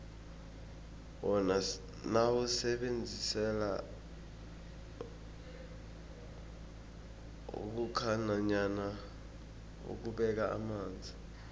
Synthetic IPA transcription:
wɔna | nawusɛɓend͡zʱisɛla | ṵk̬ukʰanaɲana | ṵk̬uɓɛk̬aa̰maːnd͡zʱi

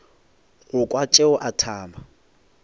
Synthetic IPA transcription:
ɣʊkʼwat͡ʃʼeʊʔatʰaːmba

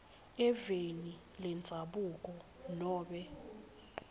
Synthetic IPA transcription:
ɛveni | lɛnd͡zʱaɓukʼɔnɔːɓɛ

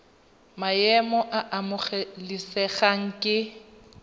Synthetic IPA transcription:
majɛmɔʔaʔamʊχɛlisɛɣaŋ̩kʼɪ

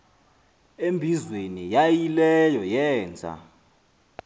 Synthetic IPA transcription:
embʱizwenijajilɛjɔjɛːnd͡zʱa̰

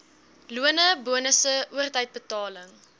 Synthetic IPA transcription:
luənəbuənəsəʔuərtəjt̚bətɑːləŋ

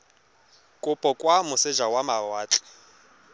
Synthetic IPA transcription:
kʼʊpʼɔkʼwamʊsɪd͡ʒawamawaːt͡ɬʼɛ̥

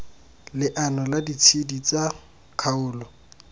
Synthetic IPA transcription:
lɪʔanɔladit͡sʰidit͡sa | kʰaʊːlɔ

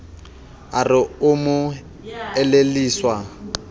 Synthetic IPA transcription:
arɪʊmʊ | ɛleliːswa

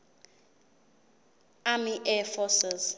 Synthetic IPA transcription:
amiʔɛfɔsɛz

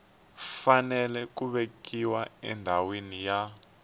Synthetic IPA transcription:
fanɛlɛk̬uβekiwaɛ̰ndʱawenija

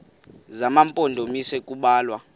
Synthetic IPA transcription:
zamampʼondʱomisɛkʼuɓaːlwa

